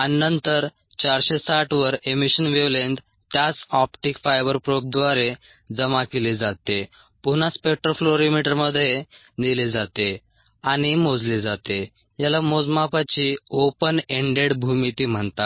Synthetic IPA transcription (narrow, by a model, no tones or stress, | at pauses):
anːənt̪əɾ | t͡ɕaɾɕesaʈʰʋəɾemiɕənʋeʋlend̪ | t̪jat͡sɔpʈikfajbəɾpɾop̚d̪ʋaɾe | d͡zəmakelid͡zat̪e | punaspek̚ʈɾofloɾimiʈəɾməd̪ʱje | nilid͡zat̪e | aɽ̃imod͡zlid͡zat̪e | jalamod͡zmapat͡ɕiopəneɳɖeɽbʱumit̪iːm̤əɳt̪a